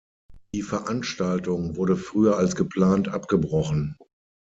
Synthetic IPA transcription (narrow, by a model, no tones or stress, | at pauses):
d̥iːfɛɐʔanʃtaltʊŋvʊɐɾəfʁ̥yːɐalsɡ̥əpʰl̥aːntʔapɡ̥əbʁɔχn̩